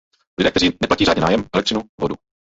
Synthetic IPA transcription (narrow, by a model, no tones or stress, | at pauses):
lɪdɛːkt̪ɛɾiːnɛplaciːɾaːɲɛna̰ːjɛmɛlɛk̚trɪnuvodṵ